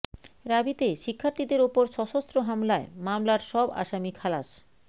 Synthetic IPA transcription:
ɾabit̪eʃikʰːaɾt̪id̪eɾupoɾʃɔʃost̪ɾoɦamlaemamlaɾʃɔba̰ʃamikʰalaʃ

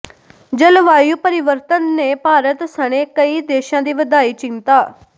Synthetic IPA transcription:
d͡ʒəlʋaːjuːpəɾɪʋəɾt̪ənːeːpaːɾət̪səɽ̃eːkəiːd̪eːʃãːd̪iːʋəd̪aːiːt͡ʃɪnt̪aː

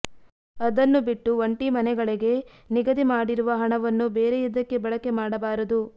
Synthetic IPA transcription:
ɐd̪ɐnːubiʈːuʋɐɳʈimɐnɛɡɐɭiɡe̞ | niɡɐd̪imaːɽiɾuʋɐɦɐɳɐʋɐnːubeːɾeid̪ɐkːe̞bɐɭɐkemaːɽɐbaːɾɐd̪u

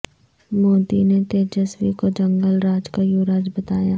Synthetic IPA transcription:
moːd̪inet̪eːd͡ʒəswikod͡ʒə̃ŋɡəlɾaːd͡ʒkajuːɾaːd͡ʒbɐt̪aːjaː

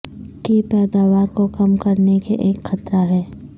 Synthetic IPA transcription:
kepɛːd̪aːʋaːɾkokɐmkɐɾnekeʔeːkxɐt̪ɾaɦɛː

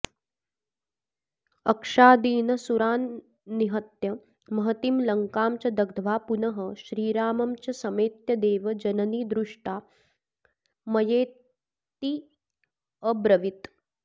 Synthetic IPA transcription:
ɐkʂaːd̪iːnɐsuɾaːnː | iɦɐt̪jɐ | mɐɦɐt̪imlɐŋkaːmt͡ʃɐd̪ɐɡ̚d̪ʱʋaːpunɐɦɐʃɾiːɾaːmɐmt͡ʃɐsɐmeːt̪jɐd̪eːʋɐd͡ʒɐnɐniːd̪ɾuʂʈaː | mɐjeː | t̪i | əbɾɐʋit̪

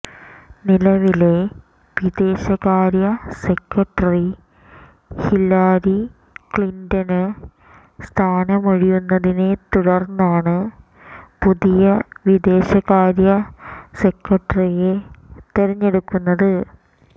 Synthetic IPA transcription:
nilɐʋile̞ | ʋid̪e̞ːɕɐɣaːɾjɐse̞kːɐʈːɐri | hilːaːɾi | kɭindɐnɨ | st̪ʰaːnɐmɐɻijunːɐðine̞t̪uɽɐrnːaːɳɨ | puðijɐʋid̪e̞ːɕɐɣaːɾjɐse̞kːɐʈːɐrijet̪eɾɐɲːe̞ɽukːunːɐðɨ

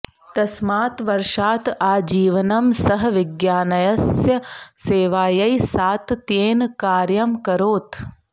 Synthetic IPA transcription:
t̪ɐsmaːt̪ʋɐɾʂaːt̪aːd͡ʒiːʋɐnɐmsɐɦɐʋiɡjaːnɐjɐsjɐseːʋaːjɐjsaːt̪t̪eːnkaːɾjɐmkɐɾoːt̪

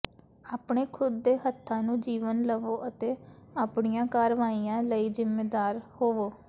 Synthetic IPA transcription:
aːpɳeːkʰʊd̪ːeːɦət̪ʰːãːnũːd͡ʒiːʋənləʋoːʔət̪eːaːpɳɪjãːkaːɾʋaːiːãːləiːzɪmːeːd̪aːɾhoːʋoː

